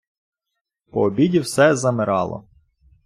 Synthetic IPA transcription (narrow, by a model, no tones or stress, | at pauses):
pɔːbʲidʲiwsɛzɐmɪɾɑ̰lˠɔ̰